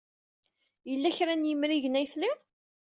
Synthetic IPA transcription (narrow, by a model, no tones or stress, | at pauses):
jəlːæçɾænjəmɾiʝənæjθlɪðˤ